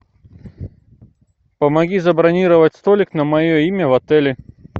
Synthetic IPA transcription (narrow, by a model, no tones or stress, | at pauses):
pəmɐɡʲizɐbɾɐnʲiɾəvətʲst̪olʲɪknəmɐjoimʲəvɐt̪ɛlʲɪ